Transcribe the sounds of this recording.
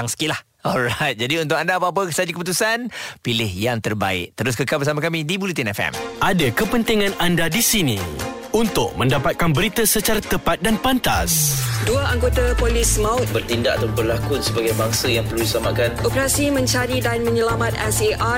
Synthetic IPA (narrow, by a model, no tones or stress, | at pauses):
aŋsə̥kilah | ɔlɾajt̪̚d͡ʒadiunt̪ʊkandaːp̬əap̬əsad͡ʒukəput̪usanpilɪhjaŋt̪ərba̰ɪ̰ʔ̚t̪əɾʊs̬kəkalbərsamakamidibulut̪inɛfɛ̰mʔadakəpənt̪iŋãnandadisinĩunt̪ʊk̚mə̃ndapat̪̚kanbəɾit̪əsət͡ʃaɾat̪əpat̪̚danpant̪asduaaŋɡot̪apolismaʊbərt̪indaʔat̪abərlakʊtsəbaɡajbaŋsəjaŋpərludisəlamaʔkanʔopəɾasimə̃ɲt͡ʃaɾidanmə̃ɲəlamãt̪ɛseʔa